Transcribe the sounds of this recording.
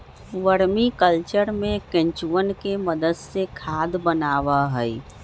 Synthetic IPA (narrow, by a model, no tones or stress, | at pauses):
ʋəɾmikəlt͡ʃəɾmẽkẽɲt͡ʃuʋənkeməd̪əd̪sekʰaːd̪bənaːʋaɦəi